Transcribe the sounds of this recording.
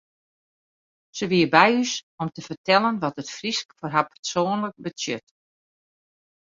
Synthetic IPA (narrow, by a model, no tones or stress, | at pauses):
səʋiəbɛjysɔmtəfərtɛlˠənʋɔtətfriskforɦapə̥rsoːnlək̚bətjøt